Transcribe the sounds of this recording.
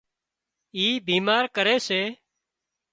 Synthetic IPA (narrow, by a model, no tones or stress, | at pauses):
iːbʱiːmaːɾkəɾeːseː